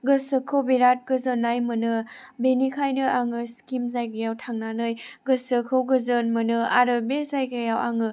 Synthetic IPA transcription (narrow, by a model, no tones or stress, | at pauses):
ɡɯsɯkʰowbeɾat̚ɡ̥ɯzɯnːajmɯnɯ | benikʰajnɯaŋɯskimzajɡɯjawtʰaŋnanɯjɡɯsɯkʰɯwɡɯzɯnmɯnɯaɾɯbezajɡajawʔaŋɯ